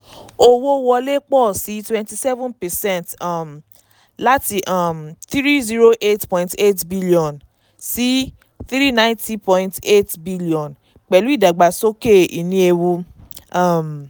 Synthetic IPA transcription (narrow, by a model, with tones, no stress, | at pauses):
o˧wo˦wɔ˧le˦k͡pɔ˦˨si˨˦twɛ̃˧nti˧sɛ˦vɔ̃˦npɛ˨sɛ̃˦˨nta˦˨m | la˦ti˧ʔa˦˨mt̪ɾi˦zi˦ɾo˦ʔe˦tpɔ̃˧˨ĩnte˦tbi˦li˨ɔ̃˨n | si˦ | θɾi˦nã˦ĩnti˦pɔ̃˧ĩnte˦tbi˦li˦˨ɔ̃˨n | k͡pɛ˨lu˦i˦˨da˨ɡ͡ba˨so˦ke˦˨i˨nĩ˧˦e˧wu˧a˦˨m